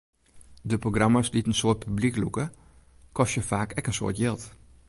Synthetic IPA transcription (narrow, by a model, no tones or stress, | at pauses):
dəproɡrɑmasditənsoːt̚pybliklukə | kɔstjəfaːkɛkənso̰ːtjɪlˠt